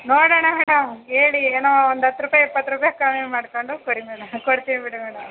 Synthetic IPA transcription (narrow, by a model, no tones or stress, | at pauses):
noːɽɐɳɐmɛːɽɐmeːɭieːnoːond̪ɐt̪ːɾuːpaːjipːɐt̪ːɾuːpajɐkaːmimaːɽkoɳɖukoɽimɛːɽɐmkoɽt̪iʋibiʈimɛːɽɐm